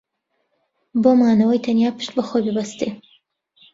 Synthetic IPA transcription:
boːmaːnɐwɐjt̪ʰɐnjaːpɨ̥ʃt̪̚bɐxojbibɐst̪e

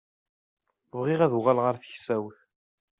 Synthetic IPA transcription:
vʁiʁæðuʁælʁəɾθçsæwθ

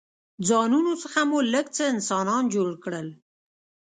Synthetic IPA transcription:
d͡zɑnunosəxamoləɡt͡səɪnsɑnɑnd͡ʒoɽkɽəl

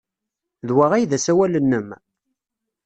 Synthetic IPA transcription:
ðwaʁæjðæsæwælənːəm

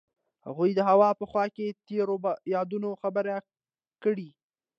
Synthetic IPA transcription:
ha̰ɣujd̪əɦawɑpəxwɑket̪eɾobjɑd̪unoxabəɾa | kəɽi

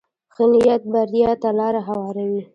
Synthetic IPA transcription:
xɪnijat̪̚baɾjɑt̪alɑɾaɦawɑɾawi

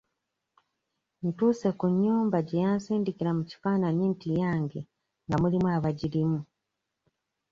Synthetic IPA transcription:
n̩tuːse̞kuɲːuːmbaɟejansiːndikiɾamuci̥faːnanintijaːŋɡe | ŋɡamulimuaβaɟiɾimu

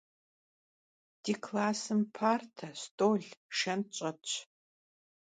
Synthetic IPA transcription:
d̥iːkʰlaːsɨmpʰaːrtʰɐstʼoːɮʃɐmt͡ʃʼɐ

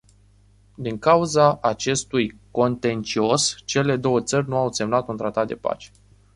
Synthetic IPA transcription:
d̪iŋkauzaʔːt͡ʃe̞st̪ujko̞nt̪e̞nt͡ʃio̞st͡ʃe̞le̞d̪o̞wət̪sərʲnuawse̞mnat̪unt̪ɾat̪at̪̚d̪e̞pa̰t͡ʃe̥

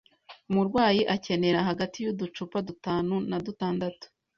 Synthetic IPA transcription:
umuɾɡwaːjiʔace̞ne̞ɾaɦaɡatijudut͡ʃupadutaːnunadutaːndatu̥

